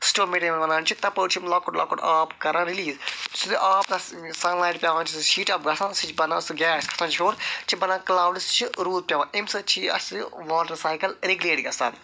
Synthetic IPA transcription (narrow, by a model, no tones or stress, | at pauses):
sʈoːmeʈimnʋɐnãːnt͡ʃʰikt̪ɐpət͡ʃʰimlɐːkoʈlɐ̰ːkoʈaːpkɐɾãːɾiliːzsud̪iʔaːpnɐsɐnlaːjʈpʲjaːʋãːnt͡ʃʰiʃiːʈɐːp̚ɡɐsãːnsit͡ʃʰbɐnãːsɨɡʲɛːsʲkʰɐ̥t̪ʰãːt͡ʃifoːɾt͡ʃʰibɐnãːklaːwɖist͡ʃʰiɾuːd̪̚pʲjaːʋãːʔemsɨt͡ʃʰiɐ̰siʋaːʈɐɾsaːjkɐlɾeɡuleːʈɡɐsa̰ːn